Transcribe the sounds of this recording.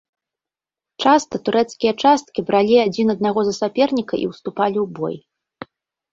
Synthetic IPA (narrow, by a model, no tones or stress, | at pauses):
t͡ʂast̪ɐt̪uɾʔɛt̪skʲijɐt͡ʂast̪̚kʲibɾʔalʲiad͡zʲinɐd̪naɣɔzɐsapʲɛrnʲikɐʔḭwst̪upalʲiwbɔ̰j